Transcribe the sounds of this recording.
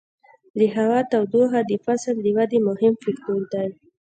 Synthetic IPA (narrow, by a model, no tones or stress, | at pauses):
d̪əɦawɑt̪awd̪oɦad̪əfasəld̪əwad̪emʊhɪmfakt̪oɾd̪aj